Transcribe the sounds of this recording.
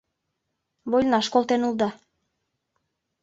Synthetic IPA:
βojlʲnɑʃkolˠt̪enulˠd̪ɑ

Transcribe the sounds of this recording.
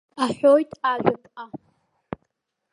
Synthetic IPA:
aħʷojtʼaʒʷᶣakʼa

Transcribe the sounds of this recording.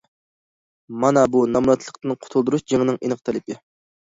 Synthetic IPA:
mɑnɑbunɑmlɑt̪ʰlˠəqt̪ɨnqʰʊ̥t̪ʰulˠd̪uɾuʃd͡ʒeŋɪnɨŋinɨq̚t̪ʰɛlɪpɪ

